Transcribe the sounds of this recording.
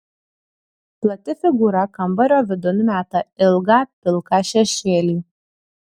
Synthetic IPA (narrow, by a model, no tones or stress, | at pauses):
plˠɐt̪ʲɪfʲɪɡuːɾɐkɐmbɐɾʲoːʋʲɪd̪ʊnʊmʲæːt̪ɐɪlˠɡɑp̚ʲɪlˠkɑʃʲɛʃʲeːlʲiː